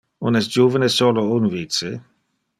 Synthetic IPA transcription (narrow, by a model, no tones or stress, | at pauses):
unɛsd͡ʒuːvənesolounvise